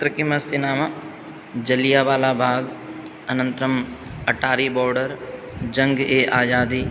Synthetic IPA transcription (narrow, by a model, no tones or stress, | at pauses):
t̪ɾəkimɐst̪inaːma | d͡ʒɐlijaːʋaːlabʱaːɡ | ɐnə̃nt̪ɾəm | ɐʈaːɾibɔːɾɖəɾ | d͡ʒɐ̃ŋɡeːʔaːd͡ʒaːd̪iː